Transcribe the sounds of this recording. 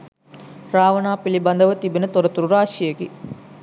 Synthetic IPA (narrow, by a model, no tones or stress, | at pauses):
ɾaːʋɐnaːpilibɐnd̪əʋət̪ibenət̪oɾɐt̪uɾuɾaːʃijeɡi